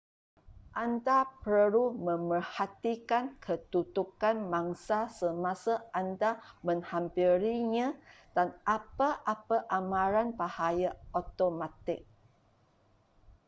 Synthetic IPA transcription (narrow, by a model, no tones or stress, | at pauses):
ʔandapəɾumə̃mərhat̪ikankʰət̪ut̪ukanmãŋsasəmasaʔandamə̃ŋhampiɾiɲã | d̥anʔapaʔapaʔamãɾanbahajaot̪omat̪ɪk̚